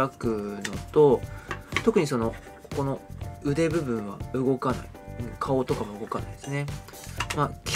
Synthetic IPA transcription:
akɯ̟no̞t̪o̞t̪o̞kɯ̟ɲ̟iso̞no̞ | koko̞no̞ɯ̟d̪e̞bɯ̟bɯ̟̃ɰ̃βa̰ɯ̟ɡo̞kana̰iɯ̟̃ɴkʰao̞t̪o̞kamo̞ɯ̟ɡo̞kana̰id̪̥e̞sɨne̞ | makʲ

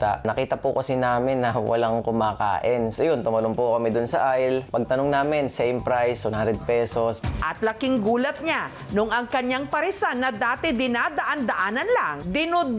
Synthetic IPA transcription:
t̪a̰ʔnɐkiːt̪ɐpʊkɐsɪnaːmɪnːɐwʔɐ̰laŋkʊmaːka̰ːʔɪnsojont̪ʊmɐlʊmpokɐmɛd̪ʊnsɐʔajlpɐɡ̚t̪ɐnoŋnaːmɪnsɛjmpɾajshʊnhand̪ɛd̪̚pɛsosʔɐt̪lɐkɪŋɡuːlɐt̪̚ɲa | nʊŋɐŋkɐɲaŋpɐɾɪsanːɐd̪aːt̪ɪd̪ɪnad̪ɐʔand̪ɐʔaːnɐnlaŋd̪ɪnʊd̪

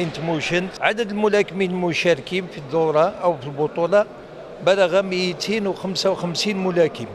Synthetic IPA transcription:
ənt̪muʃənt̪ʕad̪əd̪əlmʊlækəminlmʊʃæɾkimfiðːʊɾˤɑʔəwfilbʊt̪ˤulɑ | bæləɣæməjt̪ʰinwxəmsawxəmsinmʊlækim

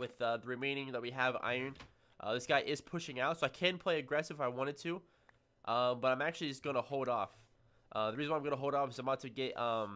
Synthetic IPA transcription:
wɪðʌðəɹɨmẽɪ̃nɪ̃ŋðət̚wiɨva̰ɪə̃˞n | ʔʌ̰ðɪsɡ̥aɪʔɪz̥pʰʊʃɪ̃ŋaʊtsoʊaɪkʰɨ̃npʰl̥eɪɨɡɹɛsɨvaɪwɑ̃ɾ̃ɨd̚tʰʉ | ʔʌ̃mbʌɾãɪ̃mæk̚t͡ʃʉl̩ˠid͡ʒʌsɡ̥ʌnəhoʊlˠɾɔf | ʔʌðɨɹizɨn̩waɪ̃mɡʌ̃nəɦoʊlˠɾɔfɨzaɪ̃mɑtʰɨɡɛt̚ʌ̃m

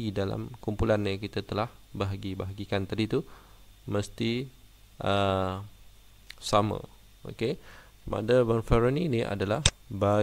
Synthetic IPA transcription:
idala̰mkumpulanjəkit̪at̪əlahbaɦaɡibaɦaɡikant̪adit̪u | məst̪i | ʔə | samə̰̃ | o̰ke | ma̰dəbərfɛɾəniniʔa̰dalahba

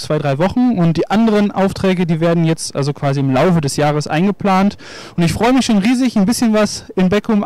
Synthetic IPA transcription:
t͡sv̥aɪdʁaɪvɔχn̩ʊnt̚d̥iːʔandəʁənʔa̰ʊftʁ̥ɛːɡədiːveːɐdn̩jɛt͡stʔa̰lzokv̥aːziɪmlaʊfədɛsjaːʁ̞əsʔa̰ɪnɡəpl̥aːnt | ʊntɪçfʁ̥ɔʏəmɪçʃoːnʁiːzɪçnbɪsçənvasɪnbɛkʰʊm

